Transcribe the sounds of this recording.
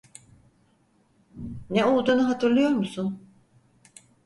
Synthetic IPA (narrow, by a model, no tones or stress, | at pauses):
nɛo̞lˠd̪uːnuɦat̪ʰɯɾlˠɯjo̞ɾmusun